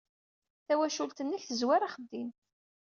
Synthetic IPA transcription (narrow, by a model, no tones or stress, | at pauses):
θæwæʃult̪ənːəçθəzwaɾaχəd̪ːin